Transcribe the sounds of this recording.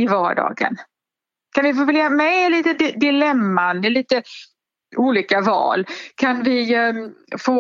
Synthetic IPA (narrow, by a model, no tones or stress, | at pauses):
ɪvɑːɖɑ̰ːɡə̰n | kʰanvɪfoːvɛljamɛliːt̪əd̪ɪd̪ɪlɛmːand̪əliːt̪ə | uːliːkavɑ̰ːlkʰanvɪ | foː